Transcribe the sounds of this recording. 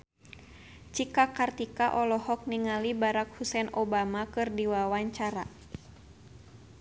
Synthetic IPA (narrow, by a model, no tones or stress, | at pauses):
t͡ʃikakart̪ikaʔɔlɔhɔk̚niŋalibaɾak̚husɛnɔbamakɨrdiwawaɲt͡ʃaɾa